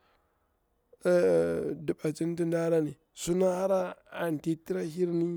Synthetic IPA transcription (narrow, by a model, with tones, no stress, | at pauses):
di˨ɓa˨t͡ʃi˦n˦ti˦nda˦ɾa˦ni˨ | su˦na˦a˦ɾa˦a˨n˨ti˦ti˦ɾa˦hi˦ɾni˦